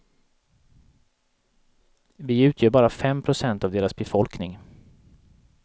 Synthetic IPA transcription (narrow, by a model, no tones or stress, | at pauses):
vɪʉ̟ːt̪ʰjœːɾbɑːɾafɛmpʰɾʊsɛnt̪avd̪eːɾasbɛfɔlknɪŋ